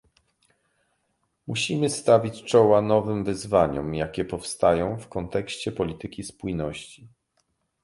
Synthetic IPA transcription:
muɕimɘst̪avʲit͡ɕt͡ʂɔwanɔvɘmvɘzvaɲɔ̰mjakʲɛpɔfst̪ajɔ̃w̃fkɔnt̪ɛkɕt͡ɕɛpɔlʲit̪ɘkʲispujnɔɕt͡ɕi

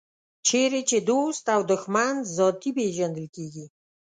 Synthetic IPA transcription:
t͡ʃʰeɾet͡ʃed̪ost̪awd̪əxmanzɔt̪ipeʒand̪əlkeɡʲi

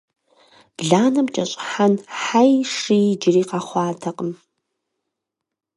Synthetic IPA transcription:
b̥ɮaːnɐmt͡ʃʼɐɕʼħanħajʂid͡ʒɪriːqaχʷɑːtʰɐqʼəm

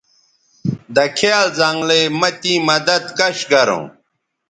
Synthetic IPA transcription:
d̪ɐkʰealzɐŋɡlemɐt̪ĩːmɐd̪ɐd̪kɐɕɡɐɾõ̰ː

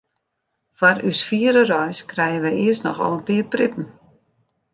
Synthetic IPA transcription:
fwarysfiəɾərɔjskrɛjənʋɛjɪəstnɔ̰xɔ̰lˠənpiəprɪpən̩

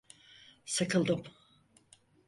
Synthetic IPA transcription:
sɨkʰɯlˠd̪ɯm

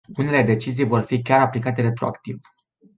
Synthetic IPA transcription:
une̞le̞d̪e̞t͡ʃizijvo̞rfikʲaɾaplikat̪e̞ɾe̞t̪ɾo̞a̰kt̪iv

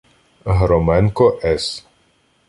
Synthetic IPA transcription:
ɦɾɔmɛnkɔʔɛs

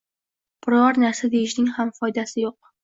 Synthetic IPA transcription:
b̥ɪɾɒɾnaɾsad̪ejɪʃnɪŋhamfɒjd̪asɪjoq̚

